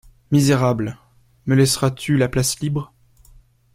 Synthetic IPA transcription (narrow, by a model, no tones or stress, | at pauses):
mizeʁabl | məlɛsʁat̪ʰylaplaslibʁ